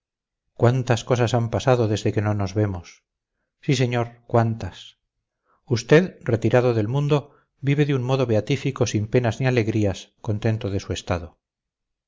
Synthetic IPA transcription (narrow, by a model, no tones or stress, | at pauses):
kwant̪askosasampasaðo̞ðe̞zðe̞ke̞no̞no̞zβe̞mos | sise̞ɲoɾkwant̪as | ust̪e̞ðre̞t̪iɾaðoðe̞lmũnd̪o̞ | biβe̞ðeunmo̞ðo̞βeat̪ifiko̞simpe̞nazniale̞ɣɾiasko̞nt̪e̞nt̪oðe̞sue̞st̪aðo